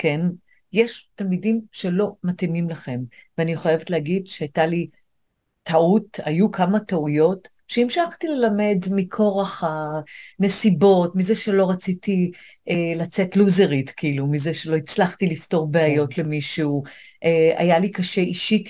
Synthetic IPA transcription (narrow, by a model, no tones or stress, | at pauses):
kʰe̞n | jeʃtalmidimʃe̞lo̞matimimlaχe̞m | veaniχojevetlehaɡidʃeajtali | tʰauta̰jukʰamataujo̞t | ʃeimʃaχtile̞lame̞dmikʰo̞ʁaχane̞sibo̞tmizeʃe̞lo̞ʁat͡sitiʔelat͡se̞tluzeʁitkiilumizeʃelo̞it͡slaχtilifto̞ʁbeajo̞tle̞miʃuuʔea̰jalikaʃe̞ʔiʃit